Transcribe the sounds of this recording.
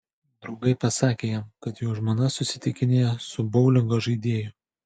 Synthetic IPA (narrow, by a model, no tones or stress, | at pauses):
d̪ɾɒʊɡɐɪpɐsɑːkʲeːjɛmkɐt̪joːʒmoːnɐsʊsʲɪt̪ʲɪkʲɪnʲeːjɛsʊbɐʊlʲɪŋɡoːʒɐɪd̪ʲeːjʊ